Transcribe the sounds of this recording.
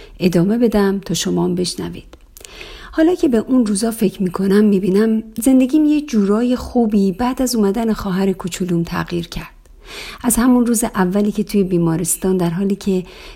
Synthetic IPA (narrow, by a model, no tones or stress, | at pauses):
ʔe̞d̪ɒːme̞be̞d̪æmt̪ʰɒːʃomɒːmbe̞ʃnæ̰vḭːd̪̥ | hɒːlɒːcʰe̞be̞ʔunruːzɒːfe̞cʰɾmiːkʰo̞næmːiːbiːnæmze̞nd̪e̞ɟiːmjecd͡ʒuːɾɒːje̞xuːbiːbæːd̪æzuːmæd̪æne̞xɒːɦæɾekʰot͡ʃʰuluːmt̪ʰæ̰ɣjiːɾcʰæɾd̪̥ | ʔæzhæmunruːzeʔævːæliːcʰe̞t̪ʰuːje̞biːmɒːɾest̪ɒːnd̪æɾɦɒːliːcʰe̞